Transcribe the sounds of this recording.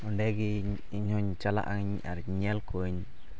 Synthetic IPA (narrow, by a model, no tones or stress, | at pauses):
ɔɳɖɛɡi | iɲhɔɲt͡ʃala̰ʔaŋɲa̰ɾɲɛlkɔɲ